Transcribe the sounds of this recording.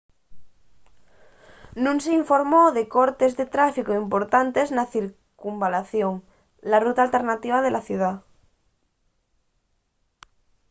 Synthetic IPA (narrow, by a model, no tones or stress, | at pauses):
nũnseiɱfo̞ɾmoðe̞koɾt̪ezðet̪ɾafikoimpoɾt̪ant̪e̞znaθiɾ | kumbalaθjoŋ | larut̪aːlt̪e̞ɾnat̪iβ̞að̞e̞laθjuð̞a